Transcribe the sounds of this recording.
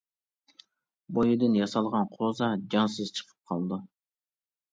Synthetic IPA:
bojud̪ɨnjɑsɑlˠʁɑnqʰozɑd͡ʒɑnsɨzt͡ʃʰə̥qʰə̥p̚qʰɑlˠd̪ɨ

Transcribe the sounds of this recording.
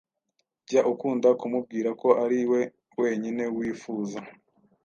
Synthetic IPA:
ɟaʔukuːndakumub̚ɡiːɾako̞ʔaɾiwe̞ | we̞ːɲine̞wiːfuːza

